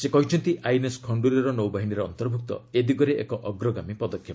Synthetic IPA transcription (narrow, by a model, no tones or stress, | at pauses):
sekɔɦit͡ʃʰɔnt̪iʔajneskʰɔɳɖuɾiɾɔnowbaɦiniɾɔːnt̪ɔɾbʱuk̚t̪ɔ̰ed̪iɡɔɾeʔḛkɔʔɔɡɾɔɡamipɔd̪ɔkʰːjɔ